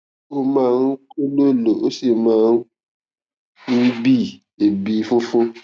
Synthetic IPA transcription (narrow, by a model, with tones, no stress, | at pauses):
o˦mãː˦˧n̩˦ko˦lo˦lo˨o˦si˦˨mãː˦ | ñ̩˦bi˦˨ | e˨bi˨˦fũ˦fũ˦